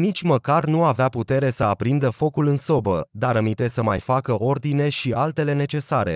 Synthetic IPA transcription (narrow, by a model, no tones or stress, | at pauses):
nit͡ʃʲməkarnuaveaput̪e̞ɾe̞səapɾind̪əfo̞kulɨnso̞bəd̪aɾəmint̪e̞səmajfakəʔo̞rd̪ine̞ʃialt̪e̞le̞ne̞t͡ʃe̞saɾe̞̰